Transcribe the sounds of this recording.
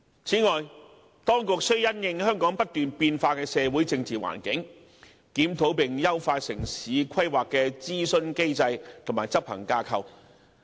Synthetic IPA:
t͡sʰiː˨˥ŋɔː˨j | t̪ɔː˥ŋkʊ˨k̚sɵ˥ɥjɐ˥njɪ˧ŋhœː˥ŋkɔː˨˥ŋpɐ˥t̚t̪yː˨npiː˧nfaː˧kɛː˧sɛː˨˧wu˨˥jt͡sɪ˧ŋt͡siː˨wa̰ː˨˩nkɪ˨˥ŋ | kiː˨˥mt̪ʰo˨˥wpɪ˨ŋjɐ˥wfaː˧t̚sɪ˨˩ŋsiː˨˧˦kʰɐ˥jwaː˨kːɛː˧t͡siː˥sɵ˧nke˥jt͡sɐ˧jt̪ʰʊ˨˩maː˨˩jt͡sɐ˥p̚hɐ˨˩ŋkaː˧kʰɐ˧w

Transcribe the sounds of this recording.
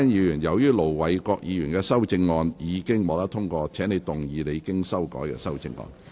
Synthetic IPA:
ɛ˥njiː˨˧jyː˨˩njɐ˨˩wjyː˥lo˨˩wwɐ˨jkɔː˧k̚jiː˨˧jyː˨˩nkɛː˧sɐ˥wt͡sɪ˧ŋːɔː˧njiː˨˧kɪ˥ŋmɔː˨˧t̪ɐ˥t̪ʰʊ˥ŋkɔː˧t͡ʃʰɛː˨˥ne˨˧t̪ʊ˨ŋjiː˨˧le˨˧jkɪ˥ŋsɐ˥wkɔ̰ː˨˥jkɛ̰ː˧sɐ˥wt͡sɪ˧ŋːɔ̰ː˧n

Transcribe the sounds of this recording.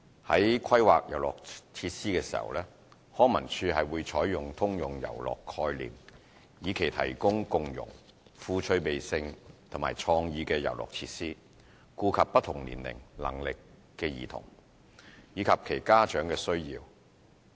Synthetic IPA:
hɐ̰˨˥jkʰɐ˥jwa̰ː˨k̚jɐ˨˩wlɔ̰ː˨˩k̚t͡sʰiː˧t̚siː˥kɛː˧si̥̰ː˨˩hɐ̰˨wlɛː˥ | hɔː˥ŋmɐ˨˩nt͡ʃʰyː˧ɦɐ˨jwuː˨˧jt͡ʃʰɔː˨˥jjʊ˨ŋt̪ʰʊ˥ŋjʊ˨˩ŋjɐ̰˨˩wlɔ̰ː˨kʰːɔː˧jlḭː˨m | jiː˨˧kʰe˨˩jt̪ʰɐ̰˨˩jkʊ˥ŋkʊ˨ŋjʊ̰˨˩ŋ | fuː˧t͡ʃʰɵ˧ɥpe˨jsɪ˧ŋt̪ʰʊ˨˩ŋma̰ː˨˩t͡ʃʰɔː˧ŋjiː˧kɛː˧jɐ̰˨˩wlɔ̰ː˨˩k̚t͡sʰiː˧t̚siː˥ | kuː˧kʰɐ˨pːɐ˥t̪ʰːʊ˨˩ŋlḭː˨˩nlɪ̰˨˩ŋlɐ̰˨˩ŋlɪ˨kː | ɛː˧jḭː˨t̪ʰʊ̰˨˩ŋ | jiː˨˧kʰɐ˨p̚kʰe˨˩jkaː˥t͡ʃœː˨˥ŋkɛː˧sɵ˥ɥjḭː˧w

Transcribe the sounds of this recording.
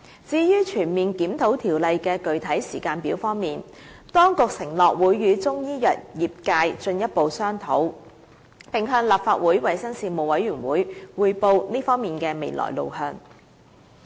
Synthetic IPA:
t͡siː˧jyː˥t͡ʃʰyː˨˩nmiː˨nkiː˨˥mt̪ʰo˨˥wt̪ʰiː˨˩wlɐ˨jkɛː˧kɵ˨ɥt̪ʰɐ˨˥jsiː˨˩kaː˧npiː˨˥wfɔː˥ŋmiː˨˩nt̪ɔː˥ŋkʊ˨k̚sɪ˨˩ŋlɔː˨k̚wuː˨˧˥jːyː˨˧t͡sʊ˥ŋjiː˥jɐ˨t̚jiː˨p̚kaː˧jt͡ʃɵ˧njɐ˥t̚po˨wsœː˥ŋt̪ʰo̰˨˥w | pɪ˨ŋɦœː˧ŋlaː˨˩p̚faː˧t̚wuː˨˥jwɐ˨jsɐ˥ŋsiː˧mo˨˩wɐ˨˥jɥyː˨˩nwuː˨˥jwuː˨˧jpo˧wniː˥fɔː˥ŋmiː˨nkɛː˧me˨˧jlɔ̰ː˨˩jlo̰˨˩whœː˧ŋ

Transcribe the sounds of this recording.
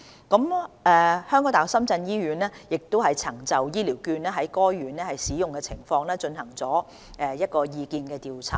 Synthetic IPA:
kɐ˨˥mʔɛː˨˧hœ˥ŋkɔː˨˥ŋt̪aː˨˥sɐ˥mt͡sɐ˧njiː˥ɥyː˨˥nɛː˥jɪ˨k̚t̪o˥whɐ˨jt͡sʰɐ˨˩ŋt͡sɐ˨wjiː˥liː˨˩wkyː˧nɛː˥ɦɐ˨˥jkɔː˥jɥyː˨˩nlɛː˥hɐ˨jsiː˨˥jʊ˨ŋkɛ˧t͡sʰɪ˨˩ŋfɔː˧ŋlɛː˥t͡ʃɵ˧nhɐ˨˩ŋt͡sɔː˨˥ | ʔɛ˨˧jɐ˥t̚kɔː˧jiː˧kiː˧nkɛː˧t̪iː˨wt͡sʰa̰ː˨˩

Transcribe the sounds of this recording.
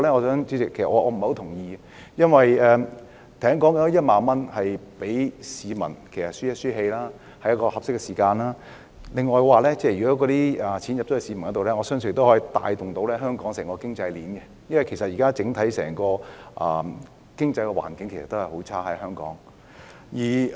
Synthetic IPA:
lɛː˥ŋɔː˨˧sœː˨˥ŋt͡siː˧˥t͡sɪ˨kʰe˨˩sɐ˨ʔɔː˨˧˥ʔɔː˨˧m̩˨o˧˥t̪ʰʊ˨˩ŋjiː˧ | jɐ˥nwɐ˨jɛː˧ | t̪ʰɐ˨˩ɐ˥ŋkɔː˨˥ŋkɔ˨˧˥jɐ˥t̚maː˨˧nmɐ˥nhɐ˨jpe˨˥jsiː˨˧mɐ̰˨˩nkʰe˨˩jsɐ˨tsyː˥jɐ˥t̚syː˥ɦe˧jlaː˥ | hɐ˨˥jɐ˥tkɔː˧hɐ˨p̚sɪ˥kːɛ˧siː˨˩kaː˧nlaː˥ | lɪ˨ŋːɔː˨jkwaː˨lɛː˥t͡sɛː˥˩jyː˨˩kɔː˨˥kɔː˨˧t̪iː˥ɐ˨˩t͡sʰiː˨˥njɐ˨t̪o˦˥˨siː˨˧mɐ˨nkːɔ˨˦˥t̪o˨˧lɛː˥ŋɔː˨˧sœː˥ŋsn̚˨˩t̪whɔː˨˥ji˧t̪a̰ː˧jt̪ʊ˨˩ŋt̪o˨˥wlɛː˥ɦœː˥ŋkɔː˨˥ŋsɛː˨˩ŋkɔː˧kɪ˥ŋt͡sɐ˧jliː˨˥nkɛ˧ | jɐ˥nwɐ˨jkʰe˨˩jsɐ˨t̚jiː˨kaː˥t͡sɪ˨˥ŋt̪ʰɐ˨˥jsɛ̰ː˨˩ŋkɔː˧ʔɐ˨ | kɪ˥ŋt͡sɐ˧jkɛ˧wa̰ː˨˩nkɪ˨˥ŋkʰe˨˩sɐ˨˩t̪o˥hɐ˨˩jho˨˥wt͡sʰaː˥hɐ˨˥jɦœː˥ŋkɔ̰ː˨˥ŋ | jiː˨˩

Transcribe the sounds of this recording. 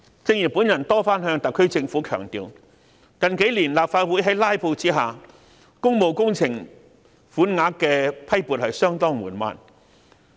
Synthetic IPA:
t͡sɪ˧ŋji˨˩puː˨˥njɐ˨˩nt̪ɔː˥faː˥nɦœː˧ŋt̪ɐ˨kʰːɵ˥ɥt͡sɪ˧ŋfuː˨˥kʰœː˨˩ŋt̪ḭː˨˧w | kɐ˨nke˨˥jliː˨˩nlaː˨p̚faː˧t̚wu˨˥jɦɐ˨˥jlaː˥jpʰo˧wt͡siː˥ɦaː˨ | kʊ˥ŋmo˨wkʊ˥ŋt͡sʰɪ˨˩ŋ | fuː˨˥nŋaː˨˥kkːɛː˧pʰɐ˥jpuː˨t̚hɐ˨jsœː˥ŋt̪ɔː˥ŋmṵː˨˩nma̰ː˨˧n

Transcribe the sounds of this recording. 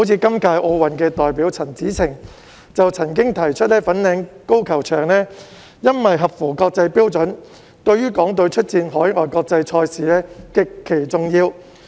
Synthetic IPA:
o˨˥wt͡sʰiː˨˧kɐ˥mkaː˧jʔo˧wwɐ˨˩nkɛː˧t̪ɔː˨jpiː˨˥wt͡sʰɐ˨˩nt͡siː˨˥t͡sʰɪ˨˩ŋ | t͡sɐ˨wt͡sʰɐ˨˩nk̬ɪ˥ŋt̪ʰɐ˨˩jt͡ʃʰɵ˥t̚lɛː˥fɐ˨˥nlɛː˨˧ŋko˥wkʰɐ˨˩wt͡ʃʰœː˨˩ŋnɛː˥ | jɐ˥nwɐ˨jɦɐ˨p̚fuː˨˩kɔː˧k̚t͡sɐ˧jpiː˥wt͡sɵ˨˥n | t̪ɵ˧ɥyː˥kɔː˨˥ŋt̪ɵ˧wt͡ʃʰɵ˥t̚t͡siː˧nɦɔː˨˥jŋɔ̰ː˨jkɔː˧k̚t͡sɐ˧jt͡ʃʰɔː˧jsiː˨lɛː˥kɪ˨kʰːe˨˩jt͡sʊ˨ŋjiː˧w

